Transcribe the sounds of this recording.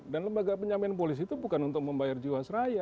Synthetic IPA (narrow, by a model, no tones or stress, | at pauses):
danləmbaɡapəɲamɛanp̬olis̬it̪ubukanunt̪ʊk̚məmbajard͡ʒiwasəɾaja